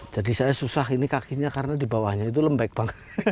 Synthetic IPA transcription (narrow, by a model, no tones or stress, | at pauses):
d͡ʒadisajasusaɦinikakiɲakaɾənadibawahɲait̪̬uləmbɛk̚b̥aŋət̪